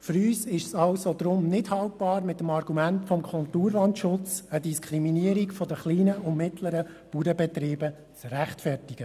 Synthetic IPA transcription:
fyɾyːsɪʃsɑlsod̥̪ɾʊmnɪdhɑlt̚b̥ɑːɾmɪtːəmɑrɡ̥umæntfɔmkʰʊltuːɾlɑntʃʊt͡sədiskʰɾiminiəɾikfɔd̪əχliːnəʊnmɪtləɾə | puːɾəbɛt̪ɾiːbə | t͡sræχtfɛrtɪɡ̥ə

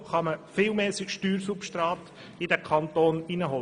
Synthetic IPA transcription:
χɑməfɪlmɛːsɪkʃtyːɾsupʃtrɑːt̪ | ɪdækʰɑnt̪oːninəɦɔl

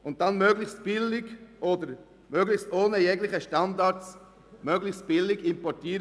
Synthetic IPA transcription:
ʊnt̚danmøɡlɪçstb̥ɪlɪɡʔodəɾ | møɡlɪçstoːnəjɛɡlɪχəʃtɑndɑt͡s | mœɡlɪçstb̥ɪlɪɡɪmpɔɾtiːɾ

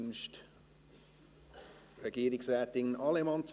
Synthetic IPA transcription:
nʃt | rɛɡiːɾɪksɛːtɪŋnɑlɛmɑntt͡s

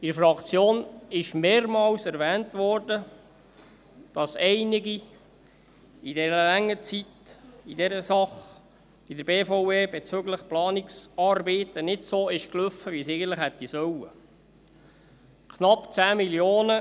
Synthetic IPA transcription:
iɾfrɑkt͡sjoːnɪʃmeːɾmɑːwsɛɾvɛːntʋɔrdə | d̥ɑsɛɪnɪɡi | idɛɾəlæŋːət͡sitidɛɾəsɑχ | id̪əɾbeːfoweːbet͡søɡləχplɑːniksɑrbiːt̪ənɪtsoːɪʃklʏfəʋisɛɪɡən̩t̪lɪχhɛt̪ːisœwə | kʰnɑpːt͡sæːmiljoːnə

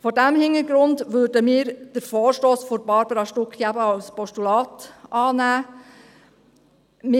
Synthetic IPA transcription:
fɔdæmhɪnəɾɡɾʊndʋøːɾdəmɪːɾd̥əɾfoːɹʃtoːsfɔɾbɑɾbəɾɑʃtʊkχjæbəɑlspɔʃtulɑːtʔɑːnæː | mɪ

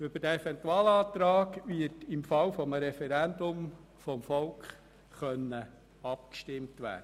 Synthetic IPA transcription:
ʏb̥əd̥æefɛntuɑːlɑːt̪ɾɑːɡʋɪtɪmfɑwfɔmɾɛfɛɾændʊm | fɔmfɔlkχ | χœnːə | ɑpkʃtɪmtʋæ̰ːd̥ə

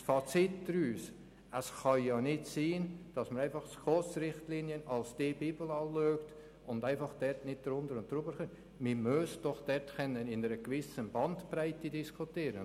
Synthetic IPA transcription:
sfɑt͡sɪtd̥ɾyːs | ʔəsχɑjɑːnɪtsiːnd̥ɑsməɾaɪnfɑχskot͡sɾɪχtliːnjənɑlsd̥ebiːbl̩ɑløːkt | ʊndaɪnfɑχd̥ɛɾtnɪt̚dɾʊndəɾʊnt̚dɾʊbəɾχøn | mɪmøsd̥ɔχd̥ɛɾtkɛnːənɪnəɾəɡvɪsənbɑntpɾaɪtɪdiskʰʊtiːɾə̰n

